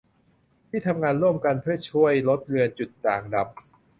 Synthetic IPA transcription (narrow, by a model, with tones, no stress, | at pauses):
t̪ʰiː˥˩t̪ʰa˧mŋaː˧nɾu˥˩əmka˧npʰɯ˥˩ət͡ɕʰu˥˩əjlo˦˥t̪̚ɾɯ˧ənt͡ɕu˨˩t̪ːaː˨˩ŋ̚da˨˩p̚